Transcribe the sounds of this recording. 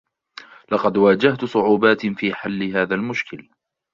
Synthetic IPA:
lɑqɑd̪waːd͡ʒaht̪sˤʊʕuːbaːt̪fiːħalːɪɦaːðaːlmʊʃkɪl

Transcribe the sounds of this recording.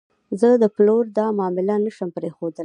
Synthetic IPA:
zəd̪əploɾd̪ɑmɑmɪlanaʃəmpɾexod̪əl

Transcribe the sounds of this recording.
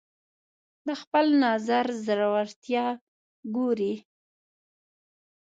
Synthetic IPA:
d̪əxpəlnɑzaɾzɾawaɾt̪jɑ | ɡoɾi

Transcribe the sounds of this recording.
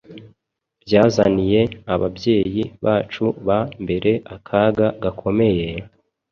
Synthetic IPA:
bjaːzanije̞aβa̰bje̞ːjiβaːt͡ʃuβambe̞ɾe̞ʔakʰaɡaɡakʰo̞me̞je

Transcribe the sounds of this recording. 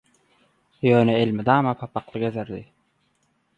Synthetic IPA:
jøːneelmid̪ɑːmɑpʰɑpɑqlˠɯɡezeɾd̪i

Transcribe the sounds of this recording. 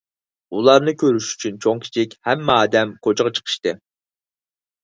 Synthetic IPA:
ulˠɑɾnɨkʲʰøɾyʃy̥t͡ʃʰynt͡ʃʰoŋkʲʰi̥t͡ʃʰikʲhɛmːɛɑːd̪ɛmkʰot͡ʃʁɑt͡ʃʰə̥qʰə̥ʃt̪ɨ

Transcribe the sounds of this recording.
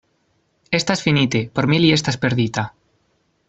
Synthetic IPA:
e̞st̪aesfinit̪epoɾmilie̞st̪aespe̞ɾðit̪a

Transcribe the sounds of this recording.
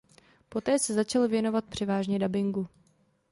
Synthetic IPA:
po̞t̪ɛːsɛzat͡ʃalvjɛno̞vat̪̚pr̝̥ɛvaːʒɲɛdabɪŋɡu

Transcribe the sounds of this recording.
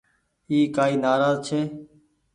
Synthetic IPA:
iːkaːiːnaːɾaːzt͡ʃʰeː

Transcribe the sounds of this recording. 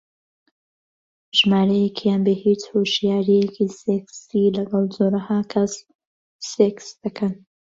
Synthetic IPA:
ʒmaːɾɐjekʰijaːnbehiːt͡shoʃjaːɾijekʰiseksilɐɡɑlˠzoːɾɐhaːkʰɐs | seksd̪̥ɐkʰɐn

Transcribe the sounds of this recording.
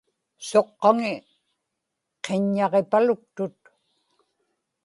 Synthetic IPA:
so̞qːɑŋɪ | qʰeɲːɑʁepalʊk̚t̪ʊt̪̚

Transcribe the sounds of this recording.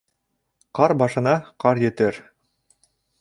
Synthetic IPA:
qɑɾbɑʃɤ̆nɑqɑɾjɘ̆t̪ɘɾ

